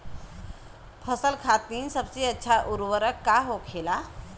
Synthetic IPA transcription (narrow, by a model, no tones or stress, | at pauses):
pʰəsəlkʰat̪iːnsəb̚t͡siːətːɕʰaʔuɾʋəɾəkːaɦokʰela